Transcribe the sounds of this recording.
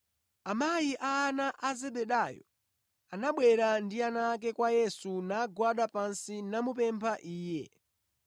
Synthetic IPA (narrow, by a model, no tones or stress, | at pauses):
amajiʔaːnaʔazɛɓɛɗajɔ̰ | anaɓwɛɾandianak̬ɛkwajɛsunaɡwaɗapansinamup̬ɛmpʰaʔiːjɛ̰